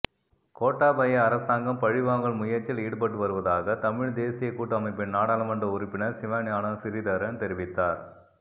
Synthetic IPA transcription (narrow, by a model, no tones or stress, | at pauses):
koːʈːaːbɐjɐɐɾɐsaːŋɡɐmpɐɻɪʋaːŋɡɐɭmʊjɐɾt͡ʃːɪliːɽɯp̬ɐʈːɯʋɐɾɯʋɐðaːɣɐt̪ɐmɪɻd̪eːsɪjɐɪkːuːʈːɯɐmɐɪpːɪnnaːɽaːlɐmɐndrɐʊɾɪpːɪnɐɾsɪʋaːnjaːnɐsɪɾɪðɐɾɐnt̪ɛɾɪʋɪt̪ːaːɾ